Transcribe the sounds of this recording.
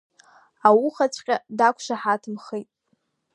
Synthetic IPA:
awuχat͡sʷʰʼqʲʼadakʷʰʃaħatʰɨmχejtʼ

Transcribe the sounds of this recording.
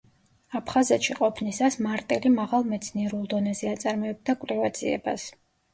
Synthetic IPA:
apʰχazɛt̪ʃiqʼɔpʰnisasmaɾt̪ʼɛlimaʁalˠmɛt̪sʰniɛɾulˠd̪ɔnɛzɛat̪sʼaɾmɔɛb̚d̪akʼwlɛvat̪z̥ʰʼiɛ̰bas

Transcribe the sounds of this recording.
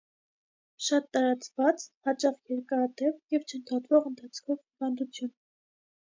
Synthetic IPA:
ʃɑt̪ːɑɾɑt͡svɑt͡shɑt͡ʃɑχjɛɾkɑɑt̪ɛvjɛvt͡ʃʰənt̪ʰɑt̪vɔʁənt̪ʰɑt͡sʰkʰɔvivɑnd̪ut͡sʰjun

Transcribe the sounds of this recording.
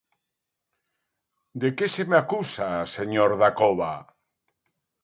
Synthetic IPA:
d̪ekesemeakusaseɲoɾðakoβa

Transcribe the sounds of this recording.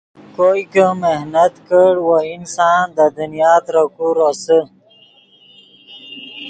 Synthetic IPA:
kojkəmehnət̪kəɽwoinsaːnd̪əd̪unijaːt̪ɾəkuɾosə

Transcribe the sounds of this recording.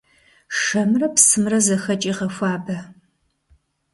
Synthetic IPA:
ʂɐmrɐpsɨmrɐzɐxɐt͡ʃʼiːʁɐfʷɑːbɐ

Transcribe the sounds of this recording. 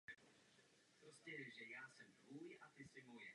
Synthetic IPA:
pɾoscɛʒɛjaːsɛmdvujʔat̪ɪsɪnojɛ

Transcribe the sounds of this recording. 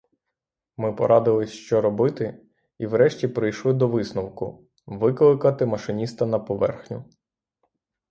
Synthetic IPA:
mɪpɔ̰ɾʔɑd̪ɪlˠɪsʲʃt͡ʃɔɾɔbɪt̪ɪ | iwɾɛʃtʲipɾɪjʃlˠɪd̪ɔʋɪsnɔwkʊ | ʋɪklˠɪkɐt̪ɪmɐʃɪnʲist̪ɐnɐpɔʋɛ̰rxnʲʊ

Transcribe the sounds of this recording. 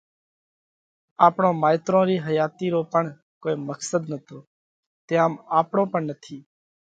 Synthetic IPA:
aːpɳõːmaːɪt̪ɾõːɾiːɦəjaːt̪iːɾoːpəɳ | koːiːməksəd̪nət̪oː | t̪ẽːaːmaːpɳõːpəɳnət̪ʰiː

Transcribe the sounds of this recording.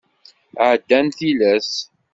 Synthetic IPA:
ʕəd̪ːænθilæs

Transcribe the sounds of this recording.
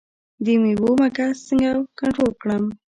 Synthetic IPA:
d̪əmibomakasəŋɡakaɳʈɾolkɽəm

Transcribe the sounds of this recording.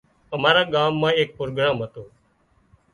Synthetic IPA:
əmaːɾaːɠaːmːãːeːk̚pɾoːɡɽãːmɦət̪oː

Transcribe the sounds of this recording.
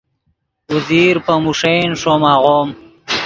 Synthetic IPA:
wuziɾpəmuʂejnʂomaːɣom

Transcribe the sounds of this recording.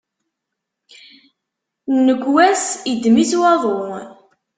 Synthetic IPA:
nːəɡwæsid̪miswɑðˤoɾ

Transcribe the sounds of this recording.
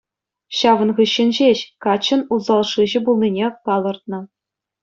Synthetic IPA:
ɕɑʋɤ̆nʁɯɕːɘ̆nʲʑeɕkɑt͡ɕːɤ̆nuzɑlˠʂɯʑɘ̆bulˠnʲinʲepɑlˠɤ̆rt̪̚nɤ̆

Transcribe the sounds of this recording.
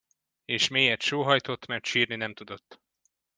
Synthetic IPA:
eːʃmeːjɛt̪ʃoːɦɒjt̪o̞t̪ːmɛrt̪ʃiːrninɛmt̪ud̪o̞t̪ː

